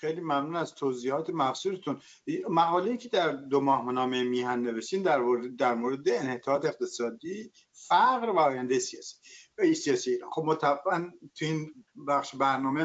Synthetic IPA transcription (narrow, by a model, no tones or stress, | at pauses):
xejliːmæmnuːnæst̪ʰoziːhɒːt̪ʰemæfsuːɾet̪ʰun | mæɣɒːlejiːcʰed̪æɾd̪omɒːhmenɒːmemiːɦænːe̞veʃt̪iːnd̪æɾd̪æɾmoːɾed̪eːnhet̪ʰɒːt̪eeq̚t̪ʰe̞sɒːd̪iː | fæɣɾvæɒːjænd̪ejesijɒːsi̥sijɒːsiːeiːɾɒ̰ːnxob̚mot̪ʰæænt̪ʰuinbæxʃebæɾnɒːme